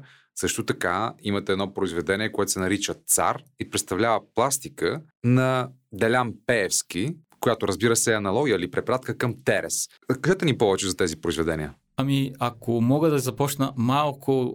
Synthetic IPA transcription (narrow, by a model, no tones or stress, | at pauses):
sɤʃt̪ot̪ɐka̰imɐt̪ɛɛd̪nɔpɾoizvɛd̪ɛniɛkoɛt̪o̥sɛnɐɾit͡ʃət̪sa̰ɾipɾɛt̪st̪ɐvlʲavəplˠast̪ikə | nɐ | d̪ɛlʲampɛːfskikojat̪oɾəzbiɾəsɛɐnɐlˠɔɡʲijəilipɾɛpɾat̪kəkəmt̪ɛɾɛ̰s | kd̪ɛt̪ɛnipɔvɛt͡ʃɛzɐt̪ɛzipɾoizvɛd̪ɛnʲiə | ɐmiakomɔɡəd̪ɐzɐpɔt͡ʃnəmalˠkʰo